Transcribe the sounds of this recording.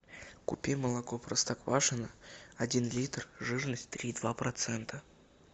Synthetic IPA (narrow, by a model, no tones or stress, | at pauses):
kʊ̰pʲeməlˠɐkoprəst̪akvaʂɨnəɐdʲinlʲit̪rʐɨʐnəsʲtʲt̪ɾʲid̪vapɾɐt̪sɛnt̪ə